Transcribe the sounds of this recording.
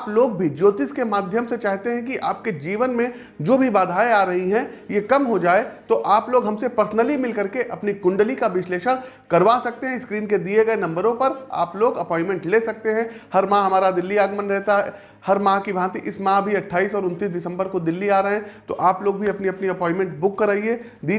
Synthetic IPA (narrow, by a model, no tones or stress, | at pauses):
aːploːɡ̚bʱid͡ʒoːt̪iskemaːd̪ʱjəmset͡ʃaːɦt̪eɦɛ̃kiʔa̰ːp̚ked͡ʒiːʋənmẽ | d͡ʒoːbʱibaːd̪ʱaːeaːɾɐɦiɦɛ̃jekɐmɦod͡ʒaːet̪oʔaːploːɡɦɐmsepɐɾsnəlimɪlkɐɾkeʔɐpnikʊ̃ɳɖlikaʋɪsleːʃəɽ̃ | kɐɾʋaːsɐk̚t̪eɦɛ̃ɪskɾiːnked̪ieɡɐenɐ̃mbəɾõpɐɾa̰ːploːɡɐpɔ̃ːɪ̃nmɛ̃ɳʈleːsɐk̚t̪eɦɛ̃hɐɾmãːɦɐmaːɾad̪ɪlːiaːɡmənɾɛɦt̪aɦɛ | hɐɾmãːkibʱãːt̪iʔɪsmãːbʱiɐʈʰːaːiːsɔːɾʊ̃nt̪iːsɖɪsə̃mbəɾkod̪ɪlːiaːɾɐɦɛ̃t̪oʔaːploːɡbʱiɐpniɐpniɐpɔ̃ːɪ̃nmɛ̃ɳʈbʊkːɐɾaːie | d̪iː